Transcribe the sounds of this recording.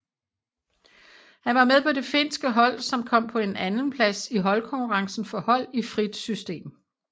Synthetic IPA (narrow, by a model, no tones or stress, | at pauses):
hænʋɑ̈meðˠpʰɒ̽de̝fe̝n̰sɡ̥əɦɒ̽l̰sɒ̽mkʰɒ̽m̰pʰɒ̽e̝nænn̩pʰlæsiɦɒ̽lkʰɒ̽ŋkʰuʁɑ̈ŋsn̩fɒ̽hɒ̽l̰ifʁid̥sysd̥e̝̰ːm